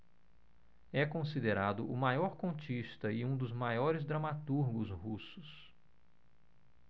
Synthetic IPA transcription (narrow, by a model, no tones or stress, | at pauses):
ɛkõsid̪eɾad̪ʊʔʊmajɔɾkõnt͡ʃiʃt̪ɐɪũd̪ʊzmajɔɾɪzd̪ɾɐmat̪uɾɡʊzɦusʊs